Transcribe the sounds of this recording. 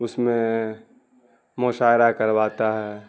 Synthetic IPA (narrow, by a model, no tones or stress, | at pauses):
ʊsmẽ | moːʃaːɾakəɾʋaːt̪aɦɛː